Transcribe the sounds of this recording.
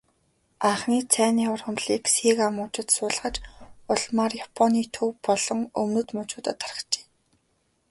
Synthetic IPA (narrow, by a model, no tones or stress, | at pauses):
aɴχniːt͡sʰæːniːʊ̆rχɵ̆mɮiːksiːkamʊːt͡ɕɪ̆t̪sʊːɮʁə̆t͡ɕʊɮmaːrjapʰɔniːt̪ʰɵwpɔɮɞ̆ŋɵ̰mnɵ̆t̪mɵt͡ɕuːt̪aːt̪ʰarə̥̆kt͡ɕe̥ː